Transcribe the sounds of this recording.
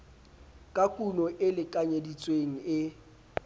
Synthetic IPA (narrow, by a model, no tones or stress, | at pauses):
kʼakʼunɔʔɪlɪkʼaɲedit͡sʼweŋ̩ɪ